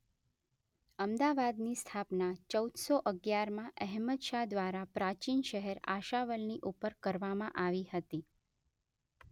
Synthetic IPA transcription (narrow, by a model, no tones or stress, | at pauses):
əmd̪aʋad̪nist̪ʰapnat͡ʃəud̪soʔəɡjaɾmãʔɛɦmət̪ʃad̪ʋaɾapɾat͡ʃinʃəɦɛɾa̰ʃaʋəlniʔupəɾkəɾʋamãʔaʋihət̪i